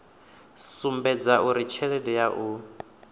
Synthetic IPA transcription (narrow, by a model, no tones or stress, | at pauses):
sumbɛd͡zaʔuɾit͡ʃʰɛlɛdɛjaʔu